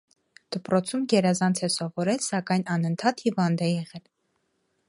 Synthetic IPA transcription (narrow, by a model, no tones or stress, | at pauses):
d̪̥əpɾɔt͡sʰumɡɛɾɑzɑnt͡sʰɛsɔvɔɾɛlsɑkɑjnɑnənt̪ʰɑt̪hivɑnd̪ɛjɛʁɛl